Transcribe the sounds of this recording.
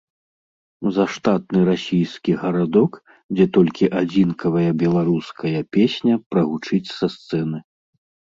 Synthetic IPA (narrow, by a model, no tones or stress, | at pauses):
zɐʂt̪at̪̚nɨɾasʲijskʲiɣɐɾad̪ɔk | d͡zʲɛt̪ɔlʲkʲiʔad͡zʲinkʰɐvɐjɐbʲɛlˠaɾuskɐjɐpʲesʲnʲɐpɾɐɣut͡ʂɨt͡sʲsɐst̪sɛnɨ